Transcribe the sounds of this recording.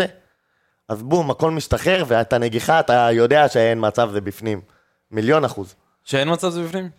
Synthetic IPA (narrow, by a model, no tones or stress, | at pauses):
e | azbumako̞lmiʃtaχe̞ʁveet̪aneɡiχat̪ajo̞de̞aʃeenmat͡savzebifnimː | iljo̞naχuz | ʃeenmat͡savzebifnim